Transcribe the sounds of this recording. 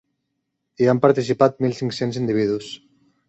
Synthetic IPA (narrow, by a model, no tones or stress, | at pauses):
iampaɾt̪isipat̪̚milˠsiŋksenzind̪iβ̞iðus